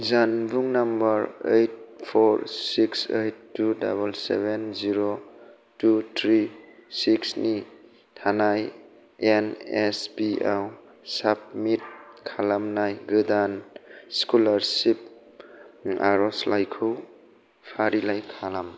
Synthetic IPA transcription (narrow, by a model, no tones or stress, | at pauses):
zanbuŋnambaɾejt̚pʰɔɾsiksejtːuda̰belsḛbenziɾo | tutʰɾisiksni | tʰanaj | enespiaw | sap̚mit̚kʰalamnajɡɯdanskulaɾsip̚ | a̰ɾɔslajkʰuw | pʰaɾilajkʰalam